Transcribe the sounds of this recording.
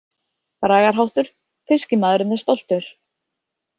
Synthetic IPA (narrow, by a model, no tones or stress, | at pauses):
pɾaːɣaɾ̥ɦawht̪ʏɾ̥ | fɪscɪmaːðɾʏnːʏst̪ɔwl̥t̪ʏɾ̥